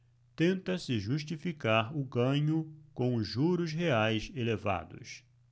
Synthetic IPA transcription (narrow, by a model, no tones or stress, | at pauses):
t̪ẽnt̪ɐsɪʒuʃt͡ʃifikaɾʊɡɐ̃ɲʊkõw̃ʊʒuɾʊsɦeajseleva̰d̪ʊ̰s